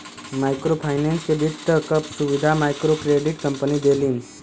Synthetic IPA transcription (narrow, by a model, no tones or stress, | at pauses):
majkɾopʰajnẽnskeɖ̪iʈt̪əkəpsuʋid̪ʱamajkɾokɾeɖiʈkəmpənid̪eliːn